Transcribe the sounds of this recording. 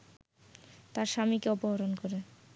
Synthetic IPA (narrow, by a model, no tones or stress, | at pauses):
t̪aɾʃamikeɔpoɦoɾonkɔɾe